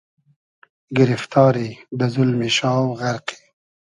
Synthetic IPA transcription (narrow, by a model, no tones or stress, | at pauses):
ɡɪɾɪft̪ɑːɾid̪əzʊlmiʃɑːwɣaɾqi̥